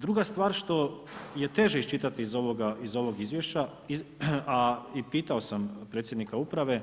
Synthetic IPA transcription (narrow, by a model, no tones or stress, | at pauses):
d̪ɾuɡast̪ʋaːɾʃt̪o̞ | je̞t̪e̞ʒeist͡ʃit̪at̪iːzo̞ʋoɡaizo̞ʋo̞ɡizʋje̞ʃt͡ʃa | iaipiːt̪ao̞sampɾe̞ːt̪sʲjed̪nikaupɾaʋe̞